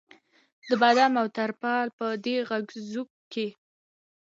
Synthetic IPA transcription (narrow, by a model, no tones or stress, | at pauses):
d̪əbad̪amawt̪aɾpɑlpəd̪eɣaɡzuk̚ke